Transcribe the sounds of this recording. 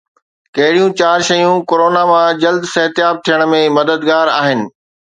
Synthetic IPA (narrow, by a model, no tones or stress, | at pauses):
kɐɦɪɽijũt͡ɕaːɾʃɐjũkoɾoːnamãd͡ʑɐld̪sɐɦət̪jaːb̚t̪ʰijəɽ̃̆mẽmɐd̪əd̪ɡaːɾaːɦɪnɪ̆